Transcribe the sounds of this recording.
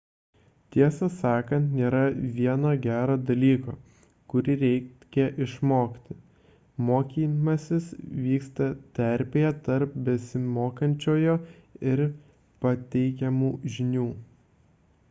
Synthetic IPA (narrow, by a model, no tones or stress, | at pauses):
t̪ʲiɛsɐsɑːkɐnt̪nʲeːɾɐʋʲiɛnoːɡʲæːɾoːd̪ɐlʲiːko̰ː | kʊɾʲɪɾʲɛɪkʲɛʔɪʃmoːkʲt̪ʲɪ | moːkʲiːmɐsʲɪsʋʲiːkst̪ɐt̪ʲɛɾʲpʲejɛt̪ɐɾp̚bʲɛsʲɪmoːkɐnʲt͡ʃʲoːjoːɪɾ | pɐt̪ʲɛɪkʲɛmuːʒʲɪnʲuː